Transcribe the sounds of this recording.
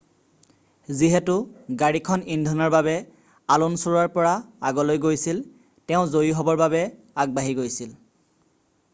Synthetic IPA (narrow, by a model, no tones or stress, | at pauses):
ziɦɛtʊɡaɹikʰɔnindʱɔnɔɹbabɛ | alunsuɹaɹpɔɹaaɡɔlojɡojsil | tɛʊ̃zojiɦɔbɔɹbabɛ | aɡ̚baɦiɡojsil